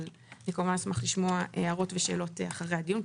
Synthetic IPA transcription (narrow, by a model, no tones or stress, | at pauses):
l | lekomvansmaχliʃmoaʔeaʁo̞tveʃe̞ːlo̞taχaʁejhad̪ijun